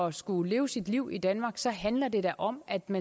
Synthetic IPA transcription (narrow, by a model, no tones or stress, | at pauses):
ɒsɡ̥ule̝ːʊəsid̥liʊ̰id̥ænmɑ̈ːɡ̥sɒ̽ɦænlɐd̥e̝d̥æʔɒ̽m̰æd̥mæ